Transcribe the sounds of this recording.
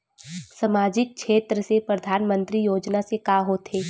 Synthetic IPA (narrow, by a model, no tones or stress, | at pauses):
sɐmaːd͡ʒɪk̚ʃeːt̪ɾəsepɾəd̪ʱaːnmə̃nt̪ɾijoːd͡ʒnasekaːɦoːt̪ɦeː